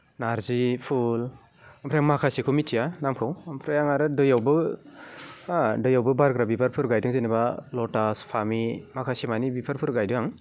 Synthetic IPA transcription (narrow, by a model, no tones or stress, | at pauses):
naɾzipʰul | ampʰɾajaŋmakʰasikʰumitijanamkʰɯwmpʰɾajaŋaɾɯdɯjawbɯ | dɯjawbɯbaɾɡɾabipʰaɾpʰɯɾɡajdɯŋzɯnibalɔtaspʰamimakʰasimanibipʰaɾpʰɯɾɡajdujaŋ